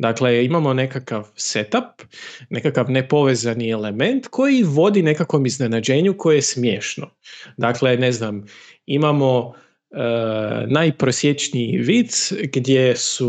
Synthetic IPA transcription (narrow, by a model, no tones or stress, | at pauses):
d̪akle̞imamo̞ne̞kakaʋse̞t̪apne̞kakaʋnepo̞ʋezanie̞le̞me̞nt̪kʰo̞jiʋo̞d̪ine̞kakʋo̞mizne̞nad͡ʑe̞ːɲukʰo̞jejesmje̞ːʃno | d̪akle̞ne̞znam | imamo̞ | ənajpɾosje̞t͡ʃniiʋit̪sɡd̪ʲje̞su